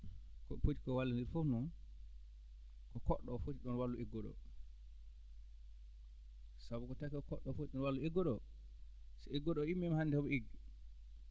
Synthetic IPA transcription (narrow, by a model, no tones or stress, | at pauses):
kɔpot͡ʃi̥kɔwalːandiɾfofnɔn | kɔkɔɗːɔfotiɗɔnwalːuʔeɡɔɗɔ̰ | sabukɔtakɛkɔkɔɗɔfot͡ʃiɗɔnwalːueɡɔɗɔ | sɛeɡɔɗɔimːɛmhandɛɔbɔeɡi